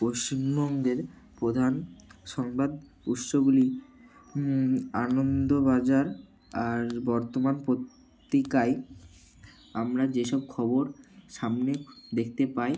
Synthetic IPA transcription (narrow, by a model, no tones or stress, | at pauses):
poʃt͡ɕimbɔŋɡeɾ | pɾod̪ʱanʃɔŋbad̪ | ut̪ʃoɡuli | anond̪obad͡ʑaɾ | aɾbɔɾt̪omanpɾot̪ː | ikaj | amɾad͡ʑeʃɔb̚kʰɔboɾʃamned̪ekʰt̪epaj